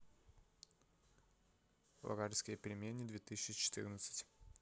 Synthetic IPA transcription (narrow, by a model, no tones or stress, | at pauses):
lˠɐ̰ɡaɾʲɪsʲkʲɪjəpʲɪɾʲɪmʲenʲːɪd̪vʲet̪ɨsʲɪɕːɪt͡ɕɪ̥t̪ɨ̰rnət̪sɨ̥tʲ